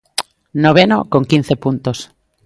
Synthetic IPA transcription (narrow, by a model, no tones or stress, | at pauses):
noβ̞eno̰ko̞ŋkin̟θepunt̪os